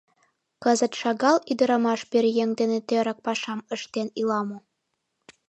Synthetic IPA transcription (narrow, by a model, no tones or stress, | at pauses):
kəzə̆t̪ʃɑɣɑlid̪ə̆ɾɑmɑʃpeɾjeŋd̪enet̪øɾɑk̚pɑʃɑməʃt̪enilɑmo